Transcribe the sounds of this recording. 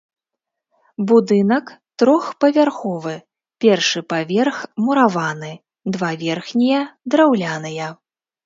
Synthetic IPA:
bud̪ɨnɐkt̪ɾɔxpɐvʲarxɔvɨ | pʲɛrʂɨpavʲɛrxmuɾavanɨ | d̪vavʲɛrxnʲijɐd̪ɾawlʲanɨjɐ

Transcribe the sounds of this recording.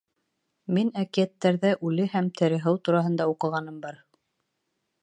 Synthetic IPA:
minækijæt̪ːæɾðæʔʉlɘhæmt̪ʰɘ̆ɾɘ̆ɦɤwt̪uɾɑɦɤ̆nd̪ɑuqɤ̆ʁɑnɤmbɑɾ

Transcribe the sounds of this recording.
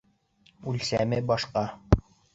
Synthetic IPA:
ʉlsæmɘbɒʃqɑ

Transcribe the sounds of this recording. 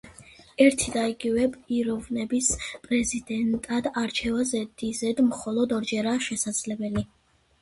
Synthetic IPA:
ɛɾt̪ʰid̪aiɡivɛbiɾɔvnɛbispʼɾɛzid̪ɛnt̪ʼad̪aɾt͡ʃʰɛvazɛd̪izɛd̪mχɔlˠɔd̪ɔɾd͡ʒɛɾaʃɛsad̪z̥lɛbɛli

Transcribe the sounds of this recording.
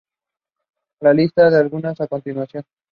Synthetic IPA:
lalist̪aðealɣunasako̞nt̪inwasjon

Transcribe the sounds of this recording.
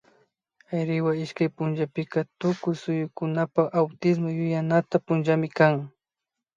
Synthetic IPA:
ajɾɪwaɪʃkajpʊnʒapɪkat̪ʊkʊjsʊjʊkʊnapaχawt̪ɪs̬mojʊjanat̪apʊnʒamɪkaŋ

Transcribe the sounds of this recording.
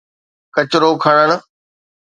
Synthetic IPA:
kɐt͡ɕɪɾokʰɐɽ̃əɽ̃̆

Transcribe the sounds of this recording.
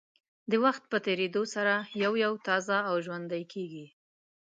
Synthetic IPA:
d̪əwaxt̪̚pət̪eɾed̪osaɾajawjawt̪ɑzaːwʒwand̪ajkʰeɡi

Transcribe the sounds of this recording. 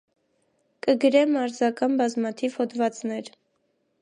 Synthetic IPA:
kəɡəɾɛmɑɾzɑkɑnbɑzmɑt̪ʰiv̥hɔd̪vɑt͡snɛɾ

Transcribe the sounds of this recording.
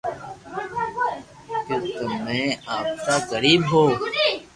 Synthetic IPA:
kɪt̪omːẽːaːpsaːɣəɾiːbɦoː

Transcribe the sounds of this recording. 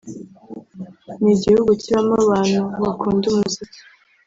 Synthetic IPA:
niɟihuɡuciβamaβaːn̥huβakʰuːndumuzii̥

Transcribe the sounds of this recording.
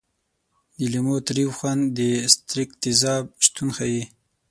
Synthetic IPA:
d̪əlimot̪ɾiwxwand̪əst̪ɾɪkt̪ɪzɑb̚ʃt̪unxaji

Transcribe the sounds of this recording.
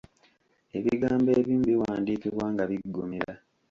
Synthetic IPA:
e̞βiɡaːmbeːβiːmbiwaːndiːkiβwaːŋɡaβiɡːomiɾa

